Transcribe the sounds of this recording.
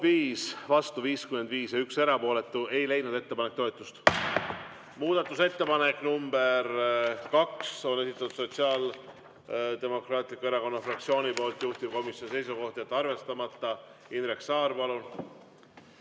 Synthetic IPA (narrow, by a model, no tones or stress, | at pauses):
viːsvɑst̪uviːskyme̞nd̪viːsjɑykse̞ɾɑpo̞ːle̞t̪ːˑue̞jle̞jnud̪e̞t̪ːe̞pɑnek̚t̪oe̞t̪ːˑust̪ | muːd̪̥ɑt̪ːˑuse̞t̪ːe̞pɑne̞kːˑnumb̥e̞rkɑkso̞ne̞sit̪ːˑɑt̪ːud̪so̞t̪siɑːl | d̪̥e̞mo̞krɑːt̪ˑlikːue̞ɾɑko̞nːɑfrɑkt̪sio̞ːnʲipo̞ːlt̪ːˑjuht̪ip̚ko̞misjo̞nise̞jsuko̞ht̪ɑjet̪ːɑrve̞st̪ɑmɑt̪ːˑɑinreksɑːrpɑlun